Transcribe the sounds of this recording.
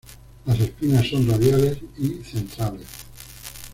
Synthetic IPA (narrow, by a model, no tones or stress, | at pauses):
lase̞spinasːo̞nraðjale̞siθe̞nt̪ɾale̞s